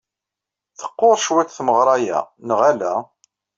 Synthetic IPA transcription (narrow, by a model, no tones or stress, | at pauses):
θə̥qːoɾˤʃwæt͡sθməʁɾˤɑjæ̰nəʁælæ